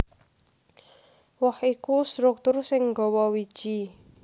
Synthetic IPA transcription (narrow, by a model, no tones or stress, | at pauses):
wɔhikust̪ɾʊk̚t̪ʊrsɪŋɡɔwɔwid̥ʒ̥i